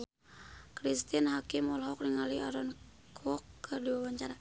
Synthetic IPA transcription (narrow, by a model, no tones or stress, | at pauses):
kɾist̪inhakimɔlɦɔkniŋalia̰ɾɔn | kʰɔkːərdiwawaɲt͡ʃaɾa